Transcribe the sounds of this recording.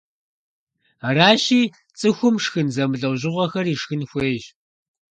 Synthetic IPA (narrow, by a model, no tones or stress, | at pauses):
raːɕiː | t͡sʼɨxʷʊmʂxɨnzɐmɨɮɐwʑɪʁʷɔxɐriːʂxɨnxʷeːʒ